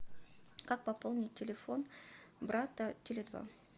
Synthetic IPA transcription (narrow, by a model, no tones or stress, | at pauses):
kak̚pɐpolˠnʲɪt̚ʲːɪlʲɪfo̞n | bɾat̪ətʲɪlʲɪd̪va̰